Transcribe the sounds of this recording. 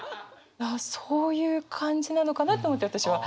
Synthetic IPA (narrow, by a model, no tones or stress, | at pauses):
asoːjɯ̟ːkʰãɲ̟d͡ʑinano̞kanat̪ːeomo̞t̪ːeat̪aɕiβa